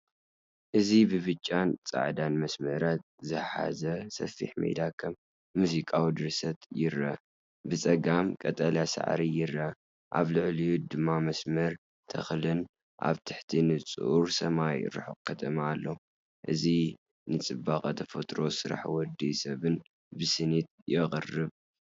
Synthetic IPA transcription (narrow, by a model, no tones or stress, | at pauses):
ʔɨzibɨβɨt͡ʃʼːant͡sʼa̰ʕd̪anmɐsmɐɾat̪̚ | zɨħa̰zɐsɐ̰fḭħmḛd̪akʰɐmː | uzikʼawid̪ɨɾsɐt̪jɪɾɐ | bɨt͡sʼɐɡamkʼɐt̪ʼɐljasa̰ʕɾijɪɾːɐ | ʔa̰βlɨʕlid̪ɨmːamɐsmɐɾ | t̪ʰɐ̰xlɨn | ʔa̰βt̪ʰɨħt̪ʰinɨt͡sʼuʔuɾsɐmaj̰ɾɨ̰ħokʰɐt̪ʼɐmaalːo | ʔɨzi | nɨt͡sʼɨbːakʼat̪ʰɐfɐt̪ʼɾo̞sɨɾa̰ħwɔd̪ːisɐβɨn | bɨsɨnit̪̚jɛχʼɨrɨβ